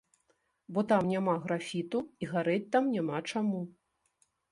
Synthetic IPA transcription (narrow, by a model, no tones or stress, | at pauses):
bɔt̪amnʲamaɣɾafʲit̪uiɣaɾɛt͡sʲt̪amnʲamat͡ʂamu